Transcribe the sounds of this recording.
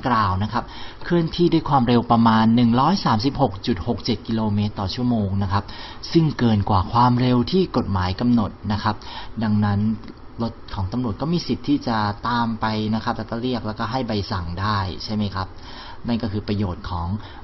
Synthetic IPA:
klaː˨˩wna˦˥kʰa˦˥p̚kʰɯ˥˩ənt̪ʰiː˥˩da˥˩˨jkʰwaː˧mɾe˧wpɾa˧maː˧nːɯ˨˩ŋɾɔː˦˥jsaː˩˦msi˨˩p̚ho˨˩k̚t͡ɕu˨˩t̪̚ho˨˩k̚t͡ɕe˨˩t̪̚ki˧loː˧meː˦˥t̪ːɔː˨˩t͡ɕʰu˥˩əmoː˧ŋna˦˥kʰa˦˥p̚ | sɯ˥˩ŋkɤː˧nkwaː˨˩kʰwaː˧mɾe˧wt̪ʰiː˥˩ko˨˩t̪̚maː˩˦jka˧mno˨˩t̪̚na˦˥kʰa˦˥p̚da˧ŋna˦˥n | lo˦˥t̪̚kʰɔː˩˦ŋt̪a˧mɾu˨˩ət̪̚kɔː˥˩miː˧si˨˩t̪ʰːiː˥˩t͡ɕa˨˩t̪aː˧mpa˧jna˦˥kʰa˦˥p̚lɛː˦˥kɔː˥˩ɾi˥˩ək̚lɛ˦˥wkɔː˥˩ɦa˥˩jba˧jsa˨˩ŋdaː˥˩jt͡ɕʰa˥˩jma˦˥jkʰa˦˥p̚ | na˥˩nkɔː˥˩kʰɯː˧pɾa˧joː˨˩t̪̚kʰɔː˩˦ŋ

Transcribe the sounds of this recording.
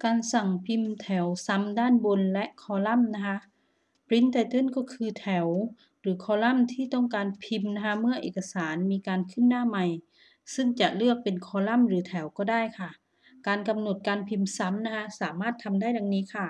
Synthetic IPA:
kaː˨˧nsa˨˩ŋpʰi˧mt̪ʰɛ˩˦wsa˧˥mdaː˥˨nbo˧nlɛ˦˧˥ʔkʰɔː˧˦la˥˩˨mna˧˥kʰa˧˥ʔ | pɾi˧˦˥nt̪a˧jt̪ɯ˧˥˨nkɔː˧˩kʰɯː˧t̪ʰɛ˨˩˦w | ɾɯː˩˦kʰɔː˧˦la˥˨mt̪ʰiː˥˩t̪ɔ˥˩ŋkaː˨˧npʰi˧mna˧kʰa˦˧˥mɯ˥˩ɐʔḛː˨˩ka˧saː˩˦nmiː˧kaː˨˧nkʰɯ˧˥˩ndaː˧˥˨ma˧j | sɯ˥˩ŋt͡ɕa˨˩ʔlɯ˥˩ək̚pe˨nkʰɔː˧˦la˥˨mɾɯː˩˦t̪ʰɛ˨˩˦wkɔː˧˩daː˥˩jkʰa˧˩ | kaː˧nka˧mno˨˩t̪̚kaː˨˧npʰi˧msa˧˦˥mna˧˥kʰa˧˥saː˨˦maː˥˩t̪ʰːa˧mdaː˥˨jda˨˧ŋniː˦˥kʰa˧˥˩

